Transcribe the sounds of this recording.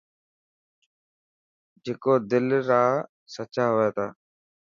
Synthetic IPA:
d͡ʒeːkoːd̪ɪlɾaː | sət͡ʃaːɦoːaːt̪ʰaː

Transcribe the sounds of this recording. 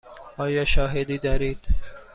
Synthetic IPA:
ɑːjɑːʃɑːɦed̪id̪ɒːɾiːd̪

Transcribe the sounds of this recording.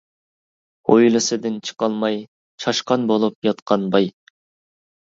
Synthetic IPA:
ojlˠɨsɨd̪ɪnt͡ʃʰə̥qɑlˠmɑj | t͡ʃʰɑʃqɑnbolˠup̚jɑt̪qʰɑnbɑj

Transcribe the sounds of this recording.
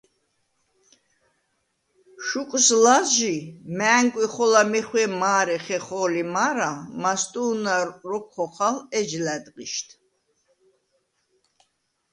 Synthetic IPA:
ʃukʼslazʒimɛːŋkʼwiχɔlamɛχwɛmaːɾɛχɛχɔːlimaːɾamast̪ʼuːnarɔkʰɔχalɛd͡ʒlæd̪qʼḭʃt̪ʰ

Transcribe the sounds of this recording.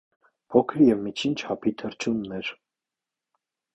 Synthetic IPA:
pʰɔkʰəɾijɛvmit͡ʃʰint͡ʃʰɑpʰit̪ʰəɾt͡ʃʰunnːɛɾ

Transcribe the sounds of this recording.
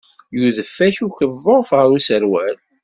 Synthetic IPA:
juðəfːæçuçəvːofʁəɾusəɾwæl

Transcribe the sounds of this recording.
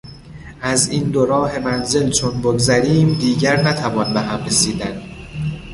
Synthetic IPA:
ʔæzind̪oɾɒːɦe̞mænze̞lt͡ʃʰonboɡzæɾiːmd̪iːɟæɾnæt̪ʰævɒːnbeɦæmɾesiːd̪æn

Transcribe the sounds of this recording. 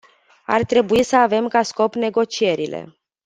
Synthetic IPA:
a̰rt̪ɾe̞buisəave̞mkasko̞pne̞ɡo̞t͡ʃie̞ɾile̞̰

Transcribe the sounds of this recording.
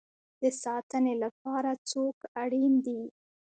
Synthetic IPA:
d̪̥əsɑt̪ənelap̚ɑɾat͡sokaɽind̪i

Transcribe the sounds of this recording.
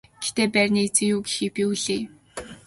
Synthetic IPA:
ɡi̥t̪eːpærʲniːet͡sɘ̆ŋjuːɡi̥xiːpiuɮeː

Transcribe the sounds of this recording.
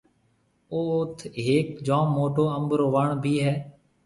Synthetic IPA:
oːʊt̪ʰɦeːk̚d͡ʒãːmːoːʈoːəmbɾoːʋaːɳbʱiːɦɛː

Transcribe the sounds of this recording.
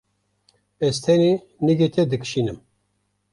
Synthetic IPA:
ɛzt̪ʰɛne | nɨɡet̪ʰɛd̪ɨkɨ̥ʃiːnɨm

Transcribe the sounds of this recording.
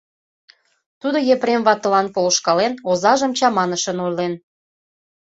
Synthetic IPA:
t̪ud̪ojepɾemβɑt̪ə̆lɑnpoləʃkɑlenozɑʒəmt͡ɕɑmɑnəʃənolen

